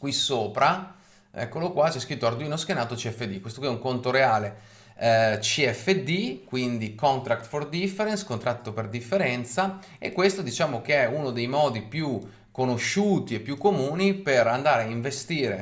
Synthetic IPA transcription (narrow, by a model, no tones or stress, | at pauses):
kwisoːpɾa | ɛ̰kːolokwat͡ʃɛskɾit̪ːoard̪uiːnoskenaːt̪ot͡ʃiɛfːed̪ikwest̪okwiɛuŋkont̪oɾeaːle | t͡ʃiɛfːed̪ikwind̪ikɔnt̪ɾakt̪ford̪ifːeɾenskont̪ɾat̪ːoperd̪ifːeɾɛnt̪sa | ekːwest̪od̪it͡ʃaːmok̟eɛunod̪ejmɔːd̪ipju | kːonoʃːuːt̪iepːjukːomuːniperand̪aːɾeaiɱvest̪iːɾe